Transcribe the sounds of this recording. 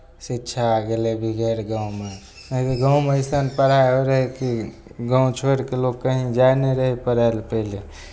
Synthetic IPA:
sitːʃʰaɡelebʱiɡʱeɾɡãũme | əbiɡaw̃meist̪ənpəɾaeɦoɾəɦeki | ɡãũt͡ʃʰoɾkelokkːəɦĩd͡ʒajneɾəɦipəɾalpəɪle

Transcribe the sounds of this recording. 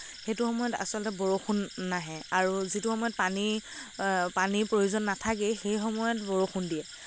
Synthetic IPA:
xejtʊxɔmɔjɔta̰sɔlɔtɛbɔɹoxʰunːaɦɛaɹuzituxɔmɔjɔt̚pani | panipɹojuzɔnːatʰak̬ɛxejxɔmɔjɔt̚bɔɹoxundijɛ

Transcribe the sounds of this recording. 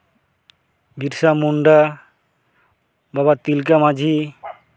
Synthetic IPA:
bʱiɾsamuɳɖa | babat̪ilk̬amad͡ʒʱi

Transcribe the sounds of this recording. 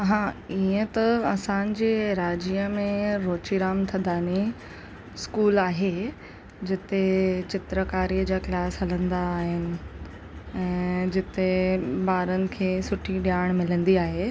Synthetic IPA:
ɦãːiə̃t̪ɐɐsãːn̆d͡ʑeːɾaːd͡ʑiːəmẽɾoːt͡ɕiɾaːmt̪ʰɐ̃nd̪aːni | skuːlaːɦe | d͡ʑɪt̪et͡ɕɪt̪ɾəkaːɾiːəd͡ʑaːklaːsɦɐlə̃nd̪aːɦɪnɪ̆ | ɛ̃ːd͡ʑɪt̪ebaːɾənɪ̆kʰeːsʊʈʰiɗijaːɽ̃mɪlə̃nd̪iaːɦe

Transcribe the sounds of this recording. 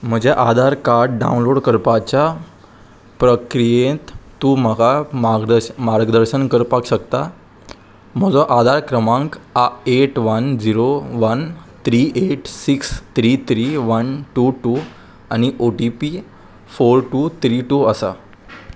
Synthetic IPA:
m̤əd͡ʑeʔad̪ʱaɾkaɾɖɖa̰unloɽkəɾpat͡ɕja | pɾəkɾijẽt̪t̪ːuːməɡaəmaɾɡd̪əɾɕənkəɾpakɕəkt̪a | m̤əd͡zɔʔad̪ʱaɾkɾəmãŋkaeʈʋənd͡ziɾoʋənt̪ʰɾiʔeʈsikst̪ʰɾit̪ʰɾiʋənʈuʈu | añiʔoʈipi | foɾʈuːt̪ʰɾiʈuːəsa̰

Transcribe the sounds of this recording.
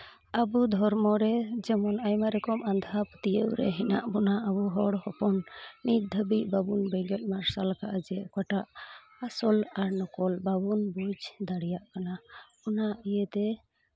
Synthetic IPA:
abud̪ʱɔɾmɔɾɛd͡ʒɛmɔnajmaɾɛkɔmand̪ʱapət̪ijəʔɾɛ̰ɦɛna̰ʔbɔnaʔabuɦɔɽhɔpɔnmit̪̚d̪ʱəbiʔbabunbɛɡɛt̪̚ˀmaɾsalkaʔad͡ʒɛʔkwaʈaʔ | asɔlaɾnɔkɔlbabunbud͡ʒd̪aɽijaʔkanabɔnaʔijət̪ɛ

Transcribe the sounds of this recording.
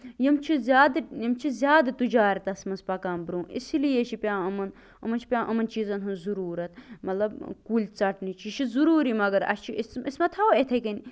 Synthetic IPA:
jimt͡ʃʰizʲjaːd̪jimt͡ʃʰizʲjaːd̪ɐt̪ud͡ʒaːɾʲt̪ɐsmɐnspɐkaːmbɾũːʔḭsilijeʃʰipʲjãːɐmɐn | ɐmɐnt͡ʃʰi̥pʲjãːʔɐmɐnt͡ʃiːzɐnɦunzuɾuːɾɐt̪̚mɐt̪lɐbkuːlʲt͡sɐʈnit͡ʃʰiʃʰizuɾuːɾimɐɡɐɾɐ̰st͡ʃʰiismismɐt̪ʰɐwet̪ʰɐkɐni

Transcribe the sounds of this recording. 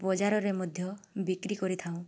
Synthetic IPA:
bɔd͡ʒaɾɔɾemɔd̪ʱjɔbikɾikɔɾit̪ʰaw̃

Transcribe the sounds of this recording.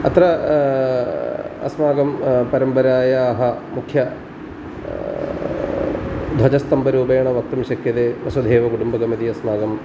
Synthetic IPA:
ɐt̪ɾɐ | ɐ̰smaːɡɐmpɐɾɐmpɐɾaːjɐːɦɐmukʰjɐ | d̪ʱɐd͡ʑɐst̪ɐmbɐɾuːbeːɐɳɐʋɐk̚t̪ɐmɕɐkjɐd̪eʋɐsud̪ʱeːʋɐkuɽumbɐɡɐmɐd̪iɐsmaːɡɐm

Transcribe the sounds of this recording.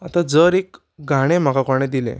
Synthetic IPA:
at̪ad͡zəɾek | ɡʱaɽ̃em̤akakɔɾɳed̪ilḛ̃

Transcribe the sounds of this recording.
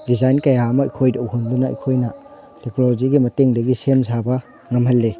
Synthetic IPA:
dizajnkɐjaɐmɐɐ̰jkʰojdowɦundunɐɐ̰jkʰojnɐ | teknoloziɡimɐteŋdɐɡisemzabɐ | ŋɐmɦɐlːe

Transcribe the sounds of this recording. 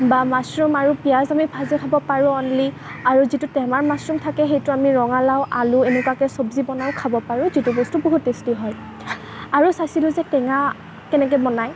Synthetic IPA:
bamasɹumaɹupijazamibʰʱazikʰabɔpaɹʊ̃ɔnli | aɹuzitutɛmaɹmasɹumtʰakɛxejtʊamiɹɔŋalawʔalʊenɛkwakɛsɔbzibɔnawkʰabɔpaɹʊ̃zitubɔstuboɦutːestiɦɔj | aɹusajsilʊzɛkɛŋa | kɛnɛk̬ɛbɔnaj

